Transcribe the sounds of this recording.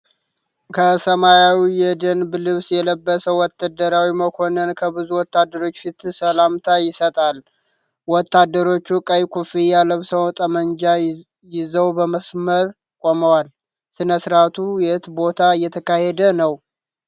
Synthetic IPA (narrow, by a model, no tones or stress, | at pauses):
kʰəsəmajawijɛd̪ənblɨβsjɛləbːəsəwɔt̪ːad̪əɾawiməkʰo̞nənkʰəbɨzuwɔt̪ːad̪ːəɾo̞t͡ʃːfit̪səlamt̪ʰajɪsət̪ʼal | wɔt̪ːad̪ːəɾo̞t͡ʃːukʼəjkʰufijaləβsəwt̪ʼəmənd͡ʒa | jɪzəwbəməsməɾ | kʼoməwal | sɨnəsɨɾat̪ʰujɛɨt̪bo̞t̪ʰaɨjːɛt̪ʰəkʰahɛd̪ənəw